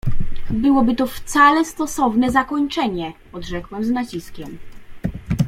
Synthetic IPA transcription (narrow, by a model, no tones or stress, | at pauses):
bɘwɔbɘt̪ɔft̪salɛst̪ɔsɔvnɛzakɔɲt͡ʂɛɲɛ | ɔd̪ʐɛkwɛmznat͡ɕiskʲɛm